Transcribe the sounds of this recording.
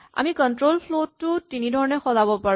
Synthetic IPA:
a̰mikɔntɹolpʰlotːʊtinidʱɔɹɔnɛxɔzabɔpaɹ

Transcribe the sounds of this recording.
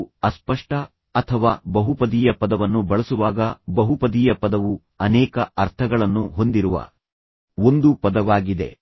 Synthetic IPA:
ɐspɐʂʈɐː | t̪ʰɐʋaːbɐɦupɐd̪iːjɐpɐd̪ɐʋɐnːubɐɭɐsuʋaːɡɐbɐɦupɐd̪iːjɐpɐd̪ɐʋu | ɐnɛːkɐɐɾt̪ʰɐɡɐɭɐnːuɦo̞nd̪iɾuʋɐ̰ | o̞nd̪upɐd̪ɐʋaːɡid̪e̞̰

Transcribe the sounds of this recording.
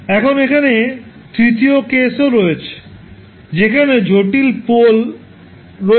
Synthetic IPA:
ɛkʰonekʰane | t̪ɾit̪iokesoɾɔet͡ɕʰe̥ | d͡ʑekʰaned͡ʑʱoʈilpol | ɾo

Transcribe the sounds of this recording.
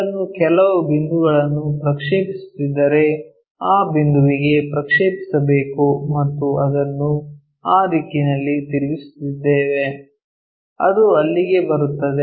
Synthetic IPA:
ɐnːukɛlɐʋubind̪uɡɐɭɐnːupɾɐkʂeːpisu̥t̪id̪ːɐɾe̞ | aːbind̪uʋiɡe̞pɾɐkʂeːpi̥sɐbe̞ːkumɐt̪ːuɐd̪ɐnːu | aːɾikːinɐlːit̪iɾiʋisu̥t̪id̪ːeːʋe̞ | ɐ̰d̪uɐlːiɡe̞bɐɾut̪ːɐd̪e

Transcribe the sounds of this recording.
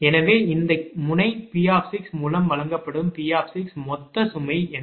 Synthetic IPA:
ɛnɐʋeːɪnd̪ɐmʊnɐɪpiːaːfsɪksmuːlɐmʋɐlɐŋɡɐpːɐɽɯmpiːaːfsɪksmɔt̪ːɐsʊmɐɪɛn

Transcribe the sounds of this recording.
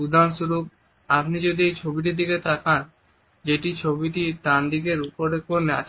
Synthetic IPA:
ud̪ʱanʃuɾup̚ | apnid͡ʑod̪iejt͡ɕʰobiʈ̬id̪iket̪ʰakan | d͡ʑeʈit͡ɕʰobiʈit̪aɾd̪ik̬eɾupoɾekoɾnea̰t͡ɕʰ

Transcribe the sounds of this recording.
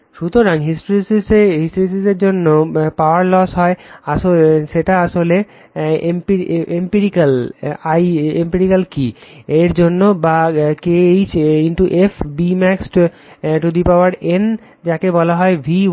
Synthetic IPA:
ʃut̪oɾaŋɦisʈoɾisɦisʈoɾis̬izeɾd͡ʑonːopaoaɾlɔsɦɔeaʃoʃeʈaaʃole | empiempiɾikalajempiɾikalkieɾd͡ʑonːobakeejt͡ɕʰinʈuʔefbimɛksʈ | ʈud̪ipaoaɾen | d͡ʑakebɔlaɦɔebʱi

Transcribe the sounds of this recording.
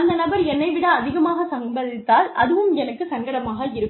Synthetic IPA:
ɐnd̪ɐnɐbɐɾɛnːɐɪʋɪɽɐːðɪɣɐmaːɣɐsɐŋbɐðɪt̪ːaːlʔɐðɯʋɯmɛnɐkːɯsɐŋɡɐɽɐmaːɣɐɪɾɯkːɯ

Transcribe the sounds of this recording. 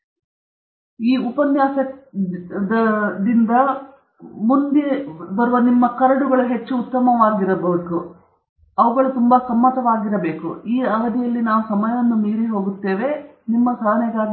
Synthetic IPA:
iːupɐnjaːsɐ | d̪ɐd̪ind̪ɐ | mund̪ebɐɾuʋɐnimːɐkɐɾɐɽuɡɐɭɐɦe̞t͡ʃːuːt̪ːɐmɐʋaːɡiɾɐbɐku | ɐʋɐɡɐɭut̪umbɐsɐmːɐt̪ɐʋaːɡiɾɐbe̞ːkṵiːɐʋɐd̪ijɐlːinaːʋusɐmɐjɐʋɐnːumiːɾiɦo̞ːɡut̪ːe̞ːʋe̞ | nimːɐsɐːɐnɛɡaː

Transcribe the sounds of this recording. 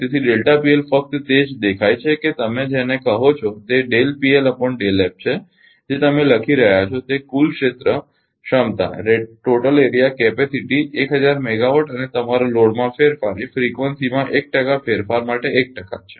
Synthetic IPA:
t̪et̪ʰiɖelʈapielfək̚t̪t̪ed͡ʒd̪ekʰajt͡ʃʰeket̪əmed͡ʒenekəɦot͡ʃʰɔt̪eɖelpieləpəɳɖelep̚t͡ʃʰe | d͡ʒet̪əmẽləkʰiɾəɦjat͡ʃʰɔt̪ekulʃet̪ɾə | ʃəmt̪a̰ɾeɖʈoʈəleɾijakepesiʈiekɦəd͡ʒaɾmeɡaʋoʈənet̪əmaɾoloɽmãfeɾfaɾefɾikʋənsimãʔek̚ʈəkafeɾfaɾmaʈeek̚ʈəka̰t͡ʃʰe̥

